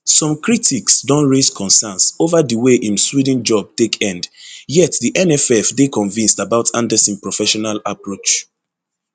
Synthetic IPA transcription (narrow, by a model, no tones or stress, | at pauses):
sɔ̃mkɹitʰiksdɔ̃nɹezkʰɔ̃nsɛnsovadiweʔĩmswid̃n̩d͡ʒɔb̚tekʰɛ̃ndjɛtdiʔɛnɛfɛfdekʰɔ̃nvĩnstabaʊtʰãndɛsĩnpɹɔfɛʃɔnalapɹot͡ʃ